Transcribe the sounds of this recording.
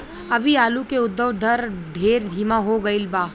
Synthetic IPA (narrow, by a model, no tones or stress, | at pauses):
ɐbʱiaːlukeʊd̪ːəʋd̪ʱəɾɖʱeːɾd̪ʱiːmãɦoɡəɪlbaː